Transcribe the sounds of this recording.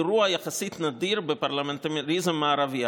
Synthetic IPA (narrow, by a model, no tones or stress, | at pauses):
ɾuajaχasit̪nadiɾbəpaɾlamɛnt̪aɾizəmːaaɾavia